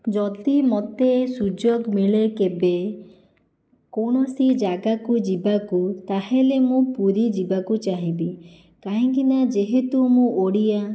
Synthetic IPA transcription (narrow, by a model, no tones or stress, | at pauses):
d͡ʒɔt̪imɔt̪esud͡ʒoɡmiɭekebe | koɽ̃ɔsid͡ʒaɡakud͡ʒibakut̪aɦelemũpuɾid͡ʒibakut͡ʃaɦĩbi | kaɦĩk̬inad͡ʒeɦet̪umũoɽija